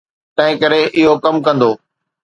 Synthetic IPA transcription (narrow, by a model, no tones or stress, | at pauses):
t̪ɐ̃ɦɪ̃kɐɾeʔɪɦokɐmkɐ̃nd̪oː